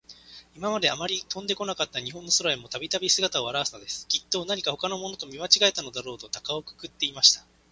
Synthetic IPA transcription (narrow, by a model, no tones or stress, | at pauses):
imamad̪eamaɾʲit̪õ̞nd̪e̞ko̞nakat̪ːaɲ̟iɦõ̞nːosoɾaemo̞t̪abʲit̪abʲisɨɡat̪ao̞βaɾaβasɨ̥nod̪e̞sɨ̥kʲit̪ːo̞ːnaɲ̟ikaho̞kano̞mo̞not̪o̞mʲimat͡ɕiɡae̞t̪ano̞d̪aɾo̞ːt̪o̞t̪akaokɯ̟̥kɯ̟t̪ːe̞imaɕi̥t̪ḁ